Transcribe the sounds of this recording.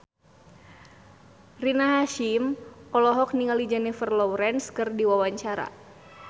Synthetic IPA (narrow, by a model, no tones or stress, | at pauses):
rinaɦaʃimɔlɔɦɔk̚niŋalid͡ʒanɛfərlɔwɾɛnskɨrdiwawaɲt͡ʃaɾa̰